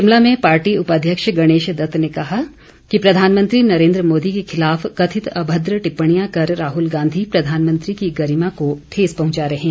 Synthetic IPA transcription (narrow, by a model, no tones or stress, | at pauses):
ɪmlamẽpaːɾʈiʊpad̪ʱjəkʃɡɐɽ̃eːʃd̪ɐt̪nekɐɦa | kipɾɐd̪ʱaːnmə̃nt̪ɾinɐɾẽːnd̪ɾəmoːd̪ikexɪlaːfkɐt̪ʰɪt̪ɐbʱəd̪ɾəʈɪpːəɽ̃ijãkɐɾːaːɦʊlɡãːnd̪ʱipɾɐd̪ʱaːnmə̃nt̪ɾikiɡɐɾimãkoʈʰeːzpɐɦʊ̃t͡ʃaɾɐɦɛ̃ː